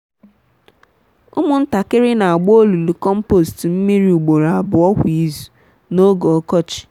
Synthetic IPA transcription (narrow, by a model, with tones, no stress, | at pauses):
ʊ̰˦mʊ˦n̩˦ta˨kɪ˦ɾɪ˦na˨a˨ɡ͡bo˦o˦lu˨lu˨kɔ˦m̩˦po˨stm̩˦mi˦ɾi˦u˨ɡ͡bo˨ɾa˨a˨bʊ˨ɔ˦kʷi˨zu̥˨ | no˦ɡo˨ɔ˦kɔ˦t͡ʃɪ̥˨